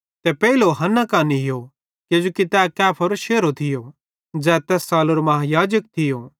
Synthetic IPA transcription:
t̪ɛpɛiloɦɐnakaːniɦɪjo | ked͡ʒoːkit̪ɛkɛːpʰɐɾʃeːɾot̪ʰɪjo | d͡zɛːt̪ɛːsːaːloɾmɐɦajaːd͡ʒək̚t̪ʰɪjoː

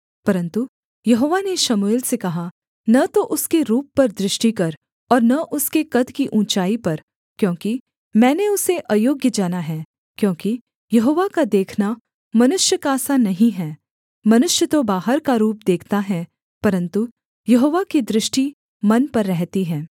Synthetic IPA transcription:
pɐɾə̃nt̪u | jɐɦoːʋaneʃɐmueːlsekɐɦa | nɐt̪oʔʊskeɾuːpːɐɾd̪ɾɪʃʈikɐɾ | ɔːɾnɐʔʊskekɐd̪kiʔũːt͡ʃaːipɐɾ | kjõːki | mɛ̃ːneʊseʔɐjoːɡjəd͡ʒaːnaɦɛː | kjõːki | jɐɦoːʋakad̪eːkʰna | mɐnʊʃjəkaːsanɐɦĩɦɛː | mɐnʊʃjət̪obaːɦəɾkaɾuːp̚d̪eːkʰt̪aɦɛ | pɐɾə̃nt̪u | jɐɦoːʋakid̪ɾɪʃʈi | mɐnpɐɾːɛɦt̪iɦɛ̃ː

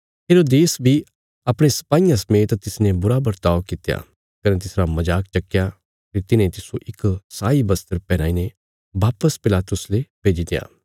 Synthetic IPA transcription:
ɦeːɾoːd̪eːsbʱi | ɐpɽ̃esɐ̥paːijãsɐmeːt̪t̪ɪsnẽbʊɾabɐɾt̪aːokɪt̪ja̰ | kɐnẽt̪̬ɪsɾamɐd͡ʒaːk̚t͡ʃɐkːja | pʰɪɾt̪ɪnẽt̪ɪsoʔɪksaːibɐst̪əɾpɛːñaːine | baːpəspɪlaːt̪ʊsleb̥ʱeːd͡ʒid̪eja̰ː

